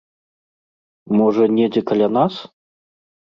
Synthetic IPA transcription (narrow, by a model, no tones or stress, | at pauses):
mɔʐɐnʲɛd͡zʲɛkɐlʲanas